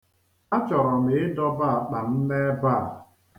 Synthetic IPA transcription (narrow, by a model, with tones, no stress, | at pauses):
a˦t͡ʃɔ˨ɾɔ˨me˨˦dɔ˦ba˦a˨k͡pa˨n̩˦ne˦ba˦˨